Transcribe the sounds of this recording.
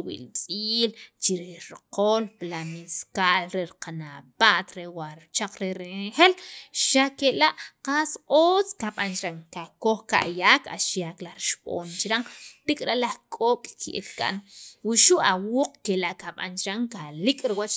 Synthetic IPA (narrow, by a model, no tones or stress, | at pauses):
wḭlt͡sʼiːlt͡ʃiɾihɾqolpilamiskaːʔlɾeɾiqanapaʔt̪ɾewaɾt͡ʃaq͡χɾeɾeexelʃakelaʔqasoːt͡skaɓant͡ʃɾaŋkakoxka̰ʔjaːka̰ʃjaklaxɾiʃɓo̰ːnt͡ʃiɾaŋt̪ikʼɾaʔlahkʼoːkʼkʰḭʔḭlkʼa̰ʔnwuʃuʔawuːq͡χkelaʔkaɓa̰nt͡ʃɾaŋkalikʼɾiwat͡ʃ